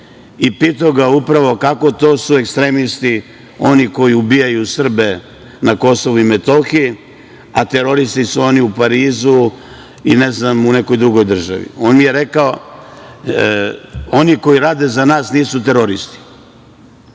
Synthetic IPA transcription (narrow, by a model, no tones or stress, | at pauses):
ipit̪aoɡaupɾaʋo̞kako̞t̪o̞ːsue̞kst̪ɾemist̪i | o̞niko̞jiubijajusr̩be | nako̞so̞ʋuimet̪o̞xi | at̪eɾo̞ɾist̪isuo̞niupaɾiːzu | ineznamuneko̞jd̪ɾuɡo̞jd̪r̩ʒa̰ʋḭo̞ːnmijeɾekao | o̞niko̞iɾaːd̪ezanaːsniːsut̪eɾoɾist̪i̥